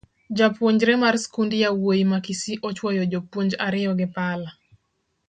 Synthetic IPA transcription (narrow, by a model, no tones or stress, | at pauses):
d͡ʒapwoɲd͡ʒɾɛmarskundijawojimakisiʔot͡ʃwɔjɔd͡ʒopwoɲd͡ʒaɾɪjɔɡɪpala